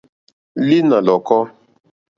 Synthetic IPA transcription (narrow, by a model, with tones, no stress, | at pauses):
li˦na˨lɔ˨kɔ˦